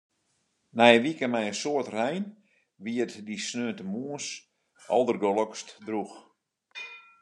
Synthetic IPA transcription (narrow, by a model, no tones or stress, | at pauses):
nɛjəʋikəmɛjənsoərtrɛjn | ʋiətdisnøːntəmuəns | ɔ̰lˠdərɡolˠəkstdrux